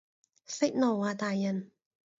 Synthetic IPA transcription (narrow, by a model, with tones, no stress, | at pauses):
fɪ˥k̚nɔː˨˩waː˨˩t̪aː˨jːɐ˨˩n